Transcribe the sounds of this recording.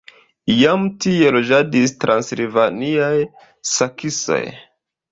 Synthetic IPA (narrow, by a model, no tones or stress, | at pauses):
ijamtie̞lo̞d͡ʒadistɾʔanslivaniaj | sakʰiso̰j